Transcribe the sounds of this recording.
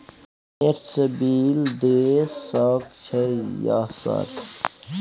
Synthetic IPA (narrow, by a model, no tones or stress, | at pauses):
eɾsəbiːld̪esɔːkt͡ʃʰɛja̰ːsa̰ːɾ